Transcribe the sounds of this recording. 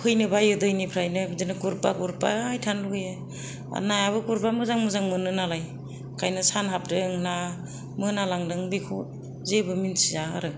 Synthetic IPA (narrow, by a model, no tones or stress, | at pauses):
kʰɯjnɯbajɯdɯjnipʰɾajnɯbzɯnɯkuɾpa̰kuɾpa̰jtʰanluɯja | a̰najaβɯkuɾpamɯzaŋmɯzaŋmɯnɯnalaj | kʰajnɯsanɦap̚dɯŋna | mɯnalaŋdɯŋbikʰut̚ | zebɯminsizaaɾɯ